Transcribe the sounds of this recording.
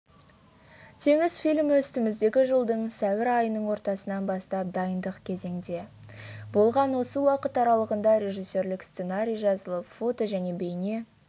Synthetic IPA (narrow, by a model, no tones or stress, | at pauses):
t̪ʰe̞ŋɪzfilʲmwɵst̪ɪmɪzd̪e̞ɡʲɪʒəlˠd̪əɴsæwɪɾɑjənəɴwo̞ɾt̪ɑsənɑnbɑst̪ɑp̚d̪ɑjənd̪əqkʲʰe̞ze̞ŋd̪e̞bo̞lˠʁɑnwo̞səwɑqət̪ɑɾɑlˠəʁənd̪ɑɾʲe̞ʒijsːe̞ɾlɪkst̪se̞naɾʲijʒɑzəlˠəpfo̞t̪o̞ʒæne̞be̞jne̞